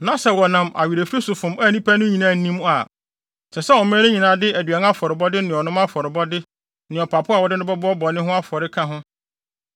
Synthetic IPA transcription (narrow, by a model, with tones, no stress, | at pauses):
nã˦sɛ˨wɔ˨nã˨mʔa̰˨ɥi˨ɾe˨fɾe˦sʊ˨fʊ̃˨ma˦˨nĩ˦pʰæ˦nʊ̃˦ɲĩ˨nãː˨˦˨n̩˨nĩ˦m˦a˨ | sɛ˨sɛ˦wɔ˨mæ̃˦ɾɪ̃˦ɲĩ˨nã˨dɪ˦æ˨dɥa˨n˦a˦fɔ˨ɾɪ˨bɔ˦dɪ˦nɪ̃˨ɔ˨nʊ̃˦ma˦fɔ˨ɾɪ˨bɔ˦dɪ˦ | nɪ̃˨ɔ˨pʰa˨pʰʊ˦a˨wɔ˦dɪ˦nʊ̃˦bɔ˦bɔ˦ɔ˦bɔ˨nɪ̃˦ɦʊ̃˦a˦fɔ˨ɾɪ˦kʰã˦ɦʊ̃˦